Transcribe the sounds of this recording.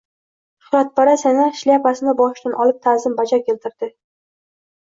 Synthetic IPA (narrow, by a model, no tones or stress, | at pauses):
ʃʊ̥hɾat̪̚baɾasenaʃliapasɪnɪbɒʃʃt̪anʔɒlˠɪp̚t̪ʰazɪmbad͡ʒakʲʰe̞lt̪ʰɪɾd̪̥ɪ